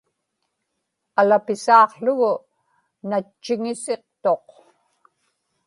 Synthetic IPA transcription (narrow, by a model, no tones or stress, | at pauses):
alapɪsɑːqɬʊɣʊ | nat͡ʃːɪŋɪse̞q̚t̪o̞q